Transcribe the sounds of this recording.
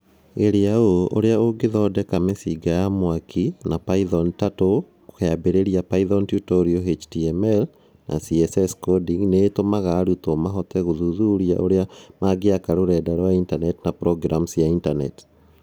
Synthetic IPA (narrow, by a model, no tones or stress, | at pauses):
eɾeaooɾeaoɡeðɔdɛkamesiɡajamwakʰinapaiðɔntato | kokeabeɾeɾiapaiðɔntjutɔɾioɦet͡ʃtiɛmɛl | nʔa̰siɛsɛskodiŋneːtomaɣaɾutɔmaɦɔtɛɣoðuðuɾia̰ʔoɾeamaɡeakaɾoɾɛdɛɾwaintanɛtnapɾɔɡɾʔamsjaintanɛ̰t